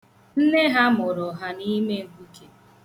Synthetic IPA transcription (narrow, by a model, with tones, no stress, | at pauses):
n̩˦ne˦ɦa˦mʊ˨ɾʊ˨ɦa˨ni˦me˦ŋ̩˨kʷu˦ke˨